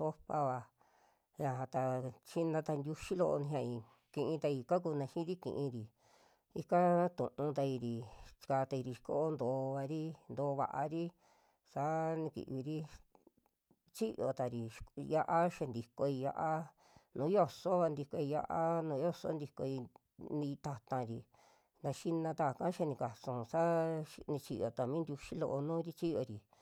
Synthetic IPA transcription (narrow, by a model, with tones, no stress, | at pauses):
so˦pa˧βa˧ | ja˧ɦã˧t̪a˧t͡ʃi˦nã˧t̪a˧nd̪ʲu˧ʃi˦lo˧ʔnĩ˧ɦã˧ĩ˧˨ | kĩ˧ʔĩ˧t̪a˧i˧ka˦k̬uː˧nã˧ʃĩ˦ɾi˦kḭ̃˧ʔĩ˧ɾi˨ | i˧ka˦t̪ṵ̃˨ʔũ˧t̪a˧i˧ɾi̥˨˧ka˧t̪a˧i˧ɾi˧ʃko˦ʔo˦nd̪oː˨˧˦βa˧ɾi˦nd̪o˧βa̰˧ʔa˧ɾi˦ | sa˨˦nĩ˧kḭ˨ʔβi˧ɾi˦ | t͡ʃi˦jo̰˧˨t̪a˨ɾi˨ja˧ʔa˦ʃe˧nd̪i˧ko˧i˧ja̰˧ʔa˦ | nũː˨˦jo˦˧so˦βa˧nd̪i˧ko˧i˧ja̰˧ʔa˦nũː˧˦jo˦so̰˦nd̪i˧ko˧i˧ | nĩ˧t̪a˧t̪ã˧ɾi˨ | nã˧ʃi˦nã˧t̪a˧˨kã˦ʃe˧nĩ˧ka˨sũ˧˨sa˦nĩ˧t͡ʃi˧jo˨t̪a˨mĩ˦nd̪ʲu˧ʃi˦lo̰˧ʔo˧nũ˦ɾi˦t͡ʃi˦jo˧ɾi˨